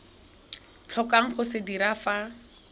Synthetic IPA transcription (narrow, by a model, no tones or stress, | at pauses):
t͡ɬʰɔkaŋ̩χʊsɪdiɾafa